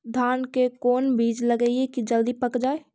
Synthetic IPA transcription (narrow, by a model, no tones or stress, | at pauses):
d̪ʱaːnkekɔːnbʱiːd͡ʒləɡəiekid͡ʒəld̪ipəkd͡ʒaːe